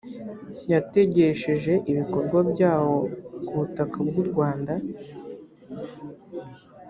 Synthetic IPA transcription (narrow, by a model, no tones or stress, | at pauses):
jate̞ɟe̞ʃe̞ʒe̞ʔiβiko̞ɾɡwabjaːwo̞kuβutakab̚ɡuɾɡwaːnda